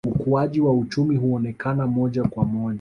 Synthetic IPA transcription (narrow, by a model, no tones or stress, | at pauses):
ukuaʄiwaut͡ʃumiɦuɔnɛkanamɔʄakwamɔʄa